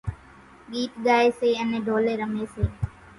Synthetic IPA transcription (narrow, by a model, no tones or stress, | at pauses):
ɠiːʈ̪ɠaːeːseːənẽːɖʱoːleːɾəmeːseː